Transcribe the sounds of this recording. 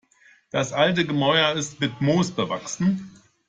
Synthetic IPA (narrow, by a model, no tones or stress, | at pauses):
d̥asʔaltəɡəmɔʏɐɪstmɪtmoːsb̥əva̰ksn̩